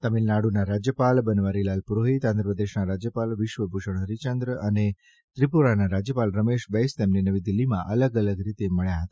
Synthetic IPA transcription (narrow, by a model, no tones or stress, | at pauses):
t̪əmilnaɽunaɾad͡ʒjəpalbənʋaɾilalpuɾoɦit̪ãnd̪ɾəpəd̪eʃnaɾad͡ʒjəpalʋɪʃʋəbʱuʃəɳ̃ɦəɾit͡ʃənd̪ɾəəne | t̪ɾipuɾanaɾad͡ʒjəpalɾəmeʃbəjst̪emninəʋid̪ilːimãʔələɡələɡɾit̪eməɭjaɦət̪ḁ